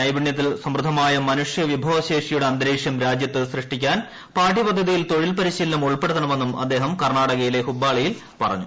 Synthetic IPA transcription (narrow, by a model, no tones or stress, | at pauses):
ɐjbiɳjɐt̪ːilsɐmɾɨd̪ʱːɐmaːjɐmɐnuʂjɐʋibʱɐʋɐɕe̞ːʂijuɽeɐnd̪ɐɾeːʂjɐmɾaːd͡ʑjɐt̪ːɨsrɨʂʈikʲːaːn | paːʈːipɐd̪ʱːɐðijilt̪o̞ɻilpɐɾiɕiːlːɐmuɭpe̞ɽut̪ːɐɳɐme̞nːumɐ̰d̪ːe̞ːɦɐmkɐrɳaːɽɐɣɐjile̞hubːaːɭɐjil | pɐrɐ̰ɲːu